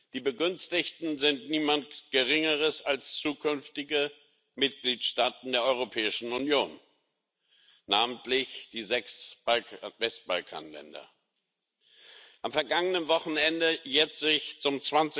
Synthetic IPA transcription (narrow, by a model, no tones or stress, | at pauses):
d̥iːbəɡʏnstɪçtn̩zɪntniːmantɡ̥əʁɪŋəʁəsalst͡suːkʰʏnftɪɡə | mɪt̚ɡ̥liːtʃtaːtn̩deːɐʔɔʏʁopʰɛːɪʃn̩unjoːn | aːməntlɪçd̥iːzɛksbalvɛst̚b̥alkʰa̰ːnlɛ̰ndɐ̰ | ʔamfɛɐɡaŋənənvɔχn̩ɛndəjɛːɐ̥ɪçt͡sʊmt͡sv̥ant͡sɪ